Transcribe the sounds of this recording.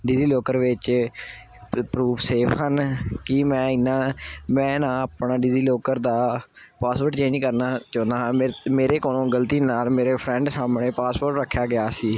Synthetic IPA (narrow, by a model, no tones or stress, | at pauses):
ɖɪziːloːkəɾʋɪt͡ʃ | pɾuːpseːpʰɦənkɪmɛ̃ːɪnːãːmɛ̃ːnãːaːpɳaːɖɪziːloːkəɾd̪aː | paːspəɾʈt͡ʃẽːɲd͡ʒkəɾnaːt͡ʃɔ̃ːnd̪aːmeːɾeːkoːnõːɡəlt̪iːnaːlmeːɾeːpʰɾɛ̃ːɳɖsaːmɳeːpaːspoːɾʈɾəkʰːjaːɡɪjaːsiː